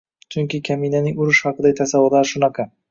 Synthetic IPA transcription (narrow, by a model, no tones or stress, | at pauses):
t͡ʃʰʊŋkʲɪkʲʰamijnanɪŋʊɾʊʃhɑqɨd̪at̪ʰasavʊɾlˠaɾʃʊnɑqʰɑ